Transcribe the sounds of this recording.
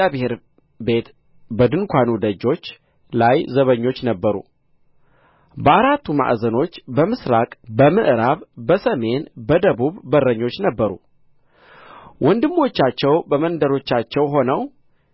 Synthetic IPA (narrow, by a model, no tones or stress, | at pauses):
abɨheɾ | be̞t̪ | bəd̪ɨnkʰʷanud̪əd͡ʒːo̞t͡ʃː | lajzəβəɲːo̞t͡ʃːnəbːəɾṵ | bəʔaɾat̪ːuma̰ʔzəno̞t͡ʃːbəmɨsɾakʼbəmɨʔɾaβbəsəme̞nbəd̪əβuβbərːəɲːo̞t͡ʃːnəbːəɾṵ | wɔnd̪ɨmːo̞t͡ʃːat͡ʃːɛwbəmənd̪əɾo̞t͡ʃːat͡ʃːɛwɦo̞nəw